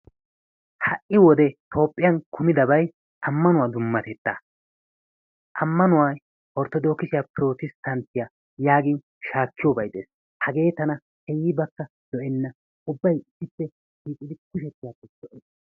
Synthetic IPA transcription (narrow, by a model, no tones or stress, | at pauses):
hɐʔɪwɔd̪ɛt̪ʰo̞ːpʼːɪjɐnkʰʊmɪd̪ɐbɐj | ʔɐmːɐnʊwad̪ʊmːɐt̪ɛt̪ːa̰ː | ʔɐmːɐnʊwaːj | ʔɔɾt̪ɔd̪o̞ːkɪsɪjapɪɾo̞ːt̪ɪst̪ɐnt̪ɪja | jaːɡɪn | ʃaːkːɪjoːbɐjd̪ʼḛːs | hɐɡe̞ːt̪ɐnɐ | hɛjːɪbɐkːɐ | d̪̥ɔʔɛnːɐ | ʊbːɐjɪsːɪpːɛ | ʃiːkʼɪd̪ɪkʊʃɛt̪ːɪjapːɛd̪ɔʔɛːs